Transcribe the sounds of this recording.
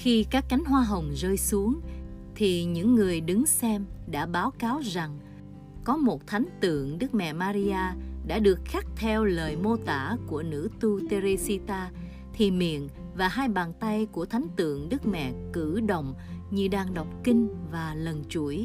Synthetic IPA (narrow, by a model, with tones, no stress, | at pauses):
xi˧kaː˦˥kːa˨˦jŋ̟ɦwaː˧ɦə˨˩wŋ͡mzəː˧jsu˨˦əŋ | t̪ʰi˨˩ɲɨ̰˧˥ŋːɨ˨˩əjɗɨ˨˦ŋsɛ˧mɗa̰ː˧˥ɓaː˨˦wkaː˨˦wza˨˩ŋ | kɔ˨˦mo˨˩t̚t̪ʰa˨˦jŋ̟t̪ɨ̰˧˨əŋɗɨ˦˥k̚mɛ̰˧˨maː˧ɾi˧aː˧ɗa̰ː˧˥ɗɨ˨˩ək̚xa˦˥k̚t̪ʰɛ˧wləː˨˩jmo˧t̪a̰ː˧˩ku˧˩ənɨ̰˧˥t̪u˧t̪e˧ɾe˧si˧t̪aː˧ | t̪ʰi˨˩mḭ˧˨ən | vaː˨˩haː˧jɓaː˨˩nt̪a˧jku˧˩ət̪ʰa˨˦jŋ̟t̪ɨ̰˧˨əŋɗɨ˦˥k̚mɛ̰˧˨kɨ̰˧˩ɗə̰˧˨wŋ͡mɲɨ˧ɗaː˨˧˩ŋɗə˨˩wk͡p̚kï˧ŋ̟vaː˨˩lə˨˩nt͡ɕu˧˩əj